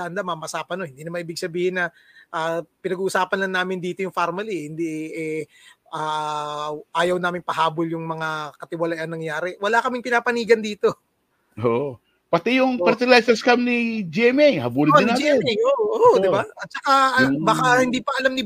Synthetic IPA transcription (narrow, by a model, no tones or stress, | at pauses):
and̪ɐmɐmɐsaːpɐnohɪnd̪iːnɐmaʔiːbɪɡ̚sɐbiːhɪnːɐ | ʔaːpɪnɐɡuʔʊsaːpɐnlɐŋnaːmɪnd̪iːt̪o̞jʊŋfaɾmɐlihɪnd̪iɛ | ʔaː | ʔaːjɐwnaːmɪŋpɐɦaːboljʊŋmɐŋakɐt̪ɪwɐlajɐnɐŋjaːɾɛwɐlakɐmɪŋpɪnaːpɐniːɡɐnd̪iːt̪o̞ | ʔoʔo | pɐt̪ɛjʊŋpɐɾt̪ɪlajsɛskamnid͡ʒɛmɛjhɐbuːlɪd̪ɪnaːd͡ʒmɛjʔoʔʔoʔod̪ɪbaʔɐt̪̚t͡ʃɐkabɐkahɪnd̪iːpɐʔɐlamnɪ